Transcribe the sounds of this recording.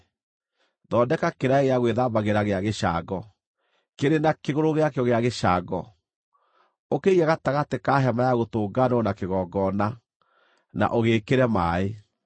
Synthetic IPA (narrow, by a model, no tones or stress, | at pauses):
ðɔːdɛkakeɾaeɣeaɣweðaːbaɣeɾaɣeaɣeʃa̰ɡɔ | keɾenakeɣoɾoɣeakeɔɣeaɣeʃaɡɔ | okeiaɣataɣatekaːɦɛmajaɣotoːɡanɔnakeɣɔɡɔna | na̰ʔoɣeːkeɾɛmaːe